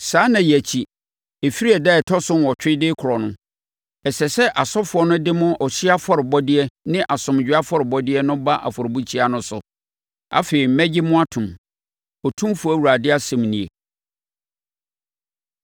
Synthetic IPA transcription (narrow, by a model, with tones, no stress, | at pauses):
saː˦nã˨jæ˨t͡ɕʰi˨ | e˨fi˦ɾi˦ɛ˨dɛ˦˨ɛ˨tʰɔ˦sʊ˦n˨wɔ˨t͡ɕᶣɪ˦dɪ˦kʰʊ˨ɾɔ˨nʊ̃˦ | ɛ˨sɛ˨sɛ˦ʔa˨sɔ˦fʊ˨˦ɔ˦nʊ̃˦dɪ˦mʊ̃˦ʔɔ˨ɕi˦a˦fɔ˦ɾɪ˨bɔ˦dɪ˦ɛ˦nɪ̃˦ʔa˨sʊ̃˨m˨d͡ʑᶣɥa˦fɔ˦ɾɪ˨bɔ˦dɪ˦ɛ˦nʊ̃˦ba˦ʔa̰˨fɔ˨ɾɪ˨bu˦t͡ɕʰi˦a˨nʊ̃˦sʊ̰˨ | a̰˦feː˨ɾi˨m̩˦mɛ̃˦d͡ʑɪ˦mʊ̃˦a˦tʰʊ̃˨m | ɔ˨tʰũ˦mfu˨æ˦˨wu˨ɾa˨dɪ˦a˦sɛ̃˨mnĩ˨ḛ˨